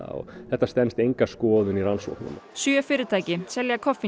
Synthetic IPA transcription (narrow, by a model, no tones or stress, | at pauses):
a̰ɔ̰ɣθɛht̪ːast̪ɛnst̪ejŋkaskɔːðʏniransɔ̰whknʏ̰msyœfɪːɾɪt̪ʰaːcɪsɛljakʰɔfi